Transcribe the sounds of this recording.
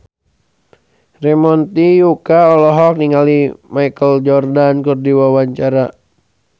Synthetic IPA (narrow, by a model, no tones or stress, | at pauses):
rɛmɔnt̪ijukaɔlɔɦɔk̚niŋɡalimaikəld͡ʒɔrdankurdiwawaɲt͡ʃaɾa